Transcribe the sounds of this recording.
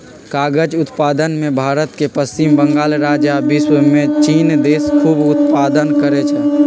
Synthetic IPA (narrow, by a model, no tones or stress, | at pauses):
kaːɡəd͡ʒʊt̪paːd̪ənmẽbʱaːɾət̪kepəst͡ʃimbə̃ŋɡaːlɾaːd͡ʒabiswmẽt͡ʃiːnd̪eːskʰuːbʊt̪paːd̪ənkəɾet͡ʃʰɛ